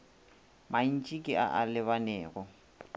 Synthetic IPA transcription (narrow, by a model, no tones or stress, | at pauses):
mʔan̩t͡ʃʼikʼɪʔa̰ʔalɪβanɛːɣɔ